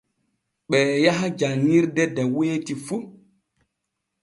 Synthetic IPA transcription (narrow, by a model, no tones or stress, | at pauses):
ɓɛːjaɦad͡ʒanːiɾdɛdɛweːtifu